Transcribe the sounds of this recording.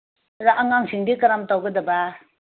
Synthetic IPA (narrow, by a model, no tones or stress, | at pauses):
ɾaʔaŋaŋsiŋdikɐɾamtawɡɐdɐba